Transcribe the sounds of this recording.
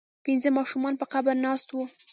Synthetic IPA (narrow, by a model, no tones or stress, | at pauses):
pɪnzəmɑʃumɑnpəqabalnɑst̪wu